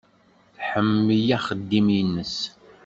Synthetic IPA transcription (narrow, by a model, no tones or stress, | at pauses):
θħəmːəjæχəd̪ːiminːəs